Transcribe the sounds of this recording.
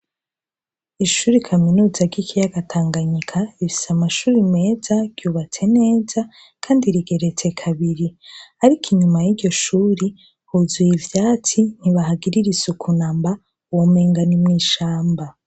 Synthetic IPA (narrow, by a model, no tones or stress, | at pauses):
iʃuːɾikʰaminuːzaɡikʰijaɡatʰaːŋɡaɲikʰaifi̥samaʃuːɾime̞ːzaɡ̥juːβat͡se̞ne̞ːza | kʰaːndiɾiɡe̞ɾe̞t͡se̞kʰaβiɾiaɾikʰiɲumajiɾɟo̞ʃuːɾi | huzuivjaːt͡sin̥iβahaɡiɾiɾisukʰunaːmba | uwomeːŋɡanimŋiːʃaːmba